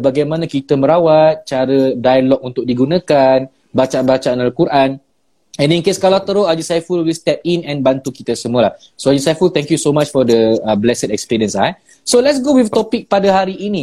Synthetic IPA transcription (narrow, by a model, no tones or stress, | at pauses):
baɡajmãnãkit̪əmə̃ɾawat̪̚t͡ʃaɾədajlɔk̚unt̪ʊk̚diɡunãkan | bat͡ʃaanbat͡ʃaanalkuɾʔan | ɛ̃ninkeskalat̪əɾoad͡ʒisajfulwist̪ɛp̚inɛ̃nbant̪ukit̪əsəmuəlah | soad͡ʒisajfult̪ɛ̃ŋkjusomat͡ʃfɔdəəblɛsədɛkspiɾiə̃nsa | solɛts̬ɡowift̪ɔpik̚padaɦaɾiʔːni